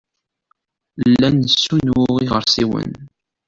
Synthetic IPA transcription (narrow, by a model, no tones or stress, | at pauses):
lːænəsːunʊʁiʁəɾsiwə̰n